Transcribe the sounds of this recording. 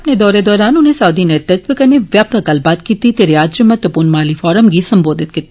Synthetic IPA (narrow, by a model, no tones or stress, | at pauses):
ɐpned̪ɔːɾed̪ɔːɾaːnʊnɦẽsaːd̪inet̪ɐt̪̚bɪkɐneʋjaːpakɐlbaːt̪kiːt̪it̪eɾjaːd͡ʒd͡ʒʊmɐt̪əpuːnmaːlifɔːɾəmɡisɐ̃mboːd̪ʱɪt̪̚kiːt̪i